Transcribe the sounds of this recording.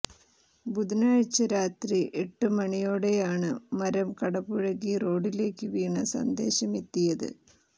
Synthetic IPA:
bud̪inaːɻt͡ɕːɐɾaːt̪riʔeʈːɨmɐɳijo̞ːɽe̞jaːɳɨmɐɾɐmkɐɽɐbuɻɐɣiro̞ːɖile̞ːkːɨʋiːɳɐsɐ̰nd̪e̞̰ːɕɐmet̪ːijɐðɨ̰

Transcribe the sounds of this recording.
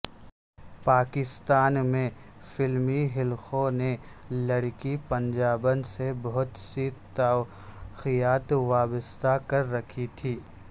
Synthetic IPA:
paːkɪst̪aːnmẽ | fɪlmiɦɪlxõne | lɐɽkipɐ̃nd͡ʒaːbənsebɐɦʊt̪sit̪a | xijaːt̪ʋaːbəst̪akɐɾːɐkʰit̪ʰiː

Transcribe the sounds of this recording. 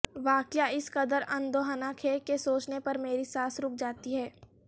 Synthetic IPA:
ʋaːkjaɪsqɐd̪əɾɐ̃nd̪oːɦənakʰeːkesoːt͡ʃnepɐɾmeːɾisaːsɾʊk̚d͡ʒaːt̪iɦɛː

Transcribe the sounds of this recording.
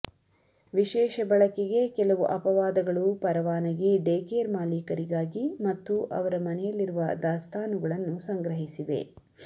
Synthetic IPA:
ʋiʃɛːʃɐbɐɭɐkɛɡe̞kɛlɐʋuʔɐpɐʋaːd̪ɐɡɐɭupɐɾɐʋaːnɐɡiɖeːkeːɾmaːliːkɐɾiɡaːɡimɐt̪ːuʔɐ̰ʋɐɾɐmɐnɛjɐlːiɾuʋɐd̪aːst̪ʰaːnuɡɐɭɐnːusɐŋɡɾɐɦisiʋe̞̰

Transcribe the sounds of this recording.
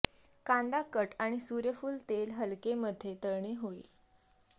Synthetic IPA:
kand̪akəʈaɽ̃isuɾjəfuːlt̪elɦəlkeməd̪ʱːjet̪əɾɳeɦoḭ

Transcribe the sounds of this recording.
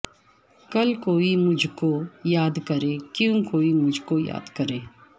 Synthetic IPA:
kɐlkoːimʊd͡ʒʱkojaːd̪kəɾeːkjũkoːimʊd͡ʒʱkoja̰ːd̪kəɾeː

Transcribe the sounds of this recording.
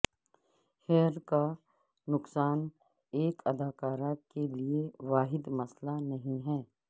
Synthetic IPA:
hɛːɾka | nʊksaːn | eːkʰɐd̪ʱaːkaːɾakelieʋaːɦɪd̪mɐslanɐɦĩɦɛː

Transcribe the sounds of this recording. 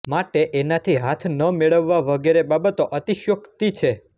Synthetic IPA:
maʈeʔenat̪ʰiɦat̪ʰnəmeɭəʋːaʋəɡeɾebabət̪oʔət̪iʃjəkt̪it͡ʃʰe

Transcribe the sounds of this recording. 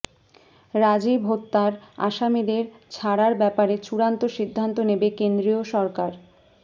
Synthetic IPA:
ɾad͡ʑibʱot̪ːaɾa̰ʃamid̪eɾ | t͡ɕʰaɽaɾbɛpaɾet͡ɕuɾant̪oʃid̪ʱːant̪onebekend̪ɾioʃɔɾkaɾ

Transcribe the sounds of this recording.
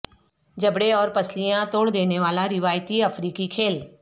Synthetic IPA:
d͡ʒɐbɽeɔːɾpɐslijãt̪oːɽd̪eːneʋaːlaɾɪʋaːjt̪iɐfɾiːkikʰeːl

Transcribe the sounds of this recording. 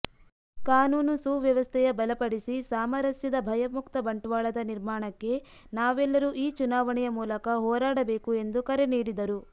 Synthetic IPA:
kaːnuːnusuːʋjɐʋɐst̪ʰɛjɐbɐlɐpɐɽisisaːmɐɾɐsjɐd̪ɐbʱɐjɐmukt̪ɐbɐɳʈuʋaːɭɐd̪ɐniɾmaːɳɐkːe̞ | naːʋɛlːɐɾuʔiːt͡ʃunaːʋɐɳɛjɐmuːlɐkɐɦɔːɾaːɽɐbe̞ːkue̞nd̪ukɐɾe̞niːɽid̪ɐɾu

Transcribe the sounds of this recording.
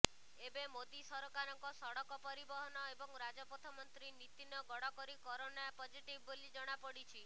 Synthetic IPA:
ebemod̪isɔɾokaɾɔŋkɔsɔɽɔkɔpɔɾibɔɦɔnɔebɔŋɾad͡ʒɔpɔt̪ʰɔmɔnt̪ɾinit̪inɔɡɔɽɔkɔɾikɔɾonapɔd͡ʒiʈibʱːolid͡ʒɔɽ̃apɔɽit͡ʃʰi

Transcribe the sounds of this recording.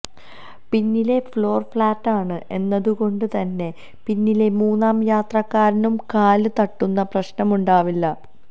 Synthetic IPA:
pinːile̞flo̞ːrfɭaːtːaːɳɨʔe̞nːɐðuko̞ɳɖɨt̪ɐnːe̞ | pinːile̞muːnːaːmjaːt̪rɐkːaːɾinumkaːlt̪ɐʈːunːɐprɐɕnɐmuɳɖaːʋilːɐ

